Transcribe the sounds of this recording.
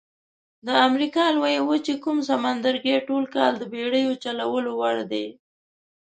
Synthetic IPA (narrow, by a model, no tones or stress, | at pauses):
d̪əamɾikɑlwajewət͡ʃekumsamand̪əɾɡeʈolkɑld̪əbeɽəjot͡ʃalawəlowaɽd̪e